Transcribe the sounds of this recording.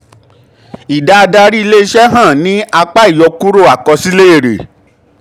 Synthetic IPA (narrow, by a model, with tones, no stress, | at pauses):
i˨da˧a˧da˧ɾi˦i˧le˦i˦˧ʃɛ˦ɦã˦˨nĩ˦a˧k͡pa˦i˦˨jɔ˧ku˦ɾo˦˨a˨kɔ˧si˦le˦e˦˨ɾḛ˨